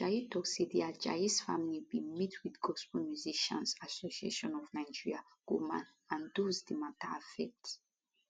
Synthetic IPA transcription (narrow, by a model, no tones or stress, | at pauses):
d͡ʒait̪ɔksid̪iad͡ʒa̰isfa̰milibimitʰwid̪ɡɔspɔlmjuziʃã̰nzasosiḛʃɔ̃nɔvnajd͡ʒiɹia | ɡ̥umã̰n | ãnd̪uzd̪imat̪afɛk̚t